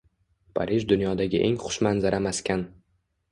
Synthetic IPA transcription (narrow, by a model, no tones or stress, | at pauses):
pʰa̰ɾʔiʒd̪ʊnjɒd̪aɡʲɪʔeŋχʊ̥ʃmanzaɾamaskʲan